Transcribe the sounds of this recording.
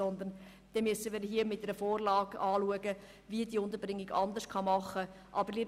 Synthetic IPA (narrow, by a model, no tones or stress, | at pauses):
ɔnd̪ən | d̥ɛmyəsəmɪːɾɦiəmɪtɛɾəfoːrlɑːɡɑːluəɡə | viəd̥iːʊnd̪əɾbɾɪŋːiɡɑ̰nd̪əʃkʰɑmɑχːə | ʔɑbəɾli